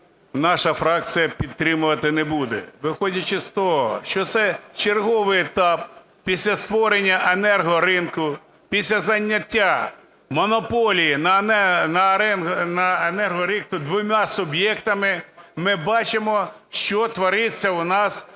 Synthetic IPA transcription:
nɑʃɐfɾɑk̚t͡ssɨjɐpʲid̪t̪ːɾɪmʊʋɐt̪ɪnebud̪ɛ̰ʋɪxɔdʲɐt͡ʃɪst̪ɔɦɔ̰ʃt͡ʃɔt̪sɛt͡ʃerɦɔʋɪjet̪ɑp̚ | pʲisʲlʲɐst̪ʋɔɾenʲːɐʔenɛrɦɔɾɪnkʊ | pʲisʲlʲɐzɐnʲːɐtʲːa | mɔnɔpɔlʲijinnɐɾɛnɦnɐenɛrɦɔɾik̚t̪ʊd̪ʋʊmʲasʊbjɛkt̪ɐmɪmɪbɑt͡ʃɪmɔ | ʃt͡ʃɔt̪ʋɔɾɪt͡sʲːɐwnɑs

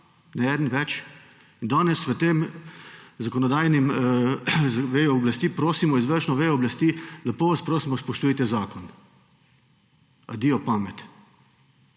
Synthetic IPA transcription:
nɛɛːd̪nʋɛt͡ʃ | ind̪aːnɛsʋət̪eːm | zakɔnɔd̪aːjnim | zʋeːjɔɔblɐst̪iːpɾoːsimɔizʋəɾʃnɔʋeːjɔɔblɐst̪iːlɐpoːʋaspɾoːsimɔspɔʃt̪uit̪ɛzaːkɔn | ad̪iːɔpaːmɛt̪

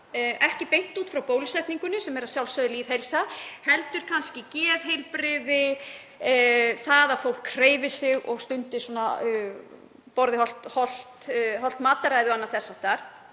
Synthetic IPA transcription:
ʔɛhcɪpejn̥t̪uːt̪fɾawpoːwlisɛjht̪niŋkʏnʏsɛmɛɾaðsjawlsœðɪliːð̥ɦejlsahɛlt̪ʏɾ̥kʰanscɪcɛːðɦejlpɾɪðɪ | θaðaðfowl̥kʰːɾeːjvɪsɪɣɔɣst̪ʏnt̪ɪsɔna | pɔɾðɪhɔl̥t̪hɔl̥t̪ɦɔlt̪maːt̪aɾajðʏanːaθɛsːawt̪aɾ̥

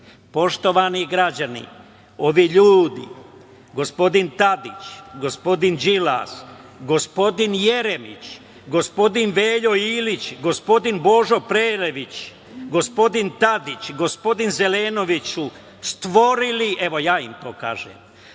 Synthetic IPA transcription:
po̞ʃt̪o̞ʋaniɡɾad͡ʑanḭ | o̞ʋiːʎuːd̪ḭ | ɡo̞spo̞d̪int̪ad̪it͡ʃɡo̞spo̞d̪ind͡ʒila̰s | ɡo̞spo̞d̪inje̞ɾemḭt͡ʃ | ɡo̞spo̞d̪inʋeːʎo̞iːlit͡ɕɡo̞spo̞d̪inbo̞ːʒopɾeːɾeʋit͡ɕ | ɡo̞spo̞d̪int̪ad̪it͡ɕɡo̞spo̞d̪inzeleːno̞ʋit͡ɕu | st̪ʋo̞ɾiliʔe̞ʋo̞jaːimt̪oːka̰ːʒḛːm

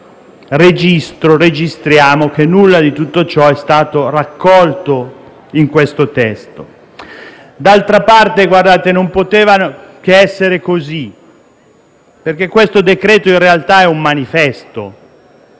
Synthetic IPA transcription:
red͡ʒist̪ɾored͡ʒist̪ɾjaːmok̟enːulːad̪it̪ut̪ːot͡ʃɔɛst̪aːt̪orakːɔlt̪o | iŋkwest̪ot̪ɛst̪o | d̪alt̪ɾapart̪eɡward̪aːt̪enompot̪ɛːvanok̟eɛsːeɾekozi | perk̟ekːwest̪od̪ekɾɛːt̪oinrealt̪aɛumːanifɛst̪o

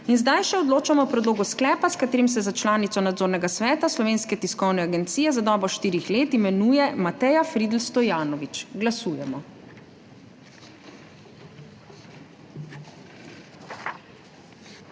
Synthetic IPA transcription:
inzd̪ajʃɛɔd̪loːt͡ʃamɔpɾɛd̪loːɡusklɛːpaskat̪eːɾims̬ɛzat͡ʃlaːnit̪sɔnad̪zoːɾnɛɡasʋɛːt̪aslɔʋeːnskɛt̪iskɔwnɛaɡɛnt̪sijɛzad̪ɔːbɔʃt̪iːɾixleːt̪imɛnujɛmat̪ɛjafɾid̪lst̪ɔjaːnɔʋit͡ʃɡlasuːjɛmɔ

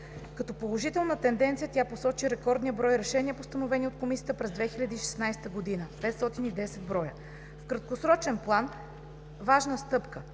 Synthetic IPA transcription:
kɐt̪ɔpolˠoʒit̪ɛlˠnət̪ɛnd̪ɛnt̪sijət̪ʲaposɔt͡ʃiɾɛkɔɾd̪nijəbɾɔjɾɛʃɛniəpost̪ɐnovɛnʲiot̪̚komisiət̪əpɾɛzd̪vɛxilʲɐd̪iːʃɛ̥snajst̪əɡod̪inəpɛt̪st̪ɔt̪inid̪ɛsɛd̪̚bɾɔjə | fkɾɐt̪̚kosɾɔt͡ʃɛnplˠan | vaʒnəst̪ɤpkə

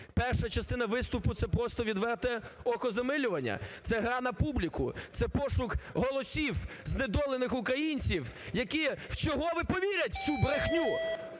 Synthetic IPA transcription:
pɛrʃɐt͡ʃɐst̪ɪnɐʋɪst̪ʊpʊt̪sɛpɾɔst̪ɔʋʲid̪ʋɛrt̪ɛɔkɔzɐmɪlʲʊʋɐnʲːɐ̰t̪sɛɦɾɑnɐpublʲikʊ̰t̪sɛpɔʃʊkɦɔlˠɔsʲiw | zned̪ɔlˠenɪxʊkɾɐjinʲt͡sʲiwjɐkiw̥t͡ʃɔɦɔʋɪpɔʋʲiɾʲɐtʲt͡sʲubɾexnʲu

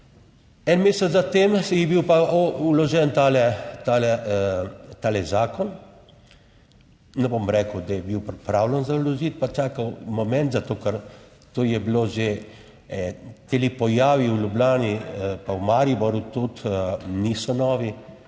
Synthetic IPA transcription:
ɛnmeːsɛzat̪eːmjɛbiwpaulɔʒɛnt̪alɛt̪alɛ | t̪aːlɛzaːkɔn | nɛbomɾɛːkəwd̪ajɛbiwpɾɛpɾaːwlɛnzaulɔʒit̪pat͡ʃaːkawmɔmɛ̃nt̪zat̪oːkɛɾ | t̪oːjɛbloʒe | t̪elipɔjaːʋiwlʲublʲaːnipawmaɾibɔɾjut̪ut̪nisɔnɔːʋi

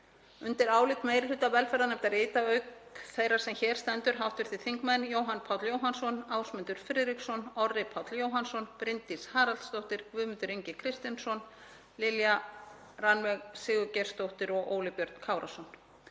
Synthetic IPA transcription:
ʏnt̪ɪɾaːwlɪt̪mejɾɪlʏt̪ːavɛlfɛɾðanɛmt̪aɾeːt̪aœɥkθejɾaɾ̥sɛmçɛːɾ̥st̪ɛnt̪ʏɾ̥ɦawht̪vɪɾ̥θɪθiŋkmɛnjoːwɦanpʰawt̪ljoːwɦansɔnaːwsmʏnt̪ʏɾ̥fɾɪðɾiksɔnɔrɪpʰawt̪ljoːwɦansɔnpɾɪnt̪ishaːɾalst̪owht̪ɪɾ̥kvʏːmʏnt̪ʏɾiɲcɪkʰɾɪst̪jansɔn | lɪlja | ranvɛɣsɪːɣʏcɛr̥st̪owht̪ɪɾɔɣʔo̰ːwlɪpjœɾt̪n̥kʰaːwɾʔa̰sɔn

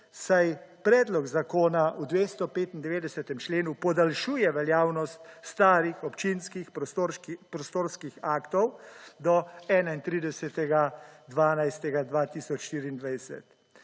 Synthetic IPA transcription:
sajpɾɛːd̪lɔɡzakoːnaud̪ʋeːst̪ɔpeːt̪ind̪ɛʋeːd̪ɛsɛt̪ɛmt͡ʃleːnupɔd̪alʃuːjɛʋɛljaːwnɔst̪st̪aːɾixɔpt͡ʃinskixɾpɾɔst̪oːɾskixaːkt̪ɔwd̪ɔɛːnaint̪ɾiːd̪ɛsɛt̪ɛɡad̪ʋaːnajst̪ɛɡad̪ʋat̪iːsɔt͡ʃʃt̪iːɾiːnd̪ʋajsɛ̰t̪

